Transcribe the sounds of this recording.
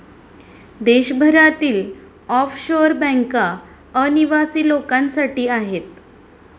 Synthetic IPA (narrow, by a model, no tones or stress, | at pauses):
d̪eɕbʱəɾat̪iːl | ɔfɕoɾbɛ̃ŋka | əniʋasiːlokãnsaʈiːaɦet̪̚